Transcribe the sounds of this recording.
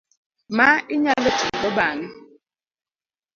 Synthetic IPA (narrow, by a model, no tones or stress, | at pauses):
maiɲalətuŋɓəbani